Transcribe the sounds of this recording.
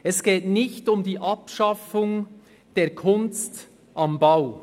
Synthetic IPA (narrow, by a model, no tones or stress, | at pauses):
ɛsɡ̥eːtnɪçtʊmdiːʔɑpʃɑfʊŋ | d̥eːɐkʰʊnst | ʔɑmbaʊ